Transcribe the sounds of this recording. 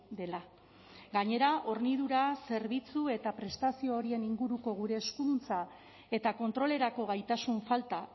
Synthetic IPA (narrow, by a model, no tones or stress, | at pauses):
d̪e̞la | ɡaɲe̞ɾaʔo̞rnið̞uɾase̞ɾβit͡sue̞t̪apɾe̞st̪asio̞ːɾie̞niŋɡuɾuko̞ɣ̞uɾe̞ːskunt͡sa | e̞t̪ako̞nt̪ɾo̞le̞ɾako̞ɣajt̪asuɱfalt̪a